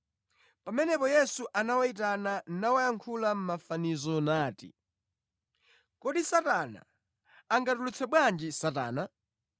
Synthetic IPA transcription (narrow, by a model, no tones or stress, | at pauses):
pamɛnɛpɔjɛsuʔanawait̬ananawajaŋkʰulam̩mafanizɔnaːtḭ | kɔɗisatana̰ː | ŋɡatulut͡sʰɛɓwand͡ʒisata̰ːna